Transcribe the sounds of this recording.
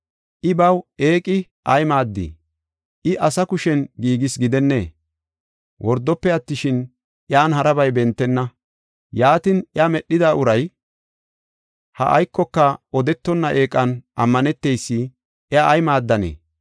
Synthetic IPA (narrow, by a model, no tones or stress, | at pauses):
ʔɪbɐwe̞ːkʼɪ | ʔɐjmaːd̪ːḭ | ʔɪʔɐsɐkʊʃɛnɡiːɡɪsɡɪd̪ɛnːeː | wʔɔɾd̪ːɔpːɛɐt̪ːɪʃɪn | ʔɪaːnhɐɾɐbɐjbɛnt̪ːɛnːɐ | jaːt̪ɪnɪamɛɗːɪd̪aːʔʊɾɐj | hɐ̰ʔɐ̰jkːɔkːɐɔd̪ɛt̪ːɔnːɐʔe̞ːkʼːɐnʔɐmːɐnɛt̪ːejsːɪ | ɪaːjmaːd̪ːɐnḛː